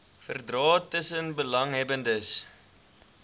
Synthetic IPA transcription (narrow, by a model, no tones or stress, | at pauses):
fə̰rdrɑːtəsənbəlɐŋɦɛbəndəs